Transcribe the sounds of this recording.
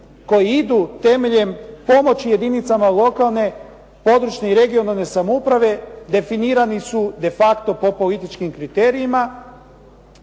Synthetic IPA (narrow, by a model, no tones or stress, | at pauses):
ko̞jiid̪ut̪e̞me̞ʎe̞mpo̞mo̞t͡ɕije̞d̪init̪samalˠo̞kalˠne̞ | po̞d̪ɾut͡ʃneiɾeɡio̞nalne̞samoupɾaʋe̞d̪e̞finiːɾanisud̪e̞fakt̪o̞po̞po̞lit̪it͡ʃkimkɾit̪eːɾiima